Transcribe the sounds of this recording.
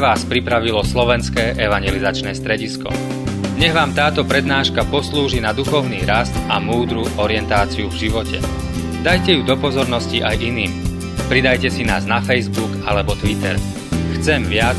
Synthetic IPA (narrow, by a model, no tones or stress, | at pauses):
ʋaːspɾipɾaʋilɔslɔʋɛnskɛːʔɛʋaɲɛlizat͡ʃnɛːst̪ɾɛɟiskɔ̰ | ɲɛɣʋaːmt̪aːt̪ɔpɾɛd̪naːʃkapɔsluːʒinad̪uxɔʊniːɾast̪amuːd̪ɾuʔɔɾɪɛnt̪aːt͡siuvʒiʋɔcɛ̰ | d̪ajcɛjud̪ɔpɔzɔɾnɔsciʔajʔiniːm | pɾid̪ajcɛsinaːznafɛjzbuɡalɛbɔt̪ʋit̪ɛ̰ɾ | xt͡sɛmʋɪa